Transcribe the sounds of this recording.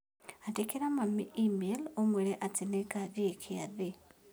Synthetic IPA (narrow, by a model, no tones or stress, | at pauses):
atekeɾamamiimelomweɾeʔatineɡaðiekʰiaðe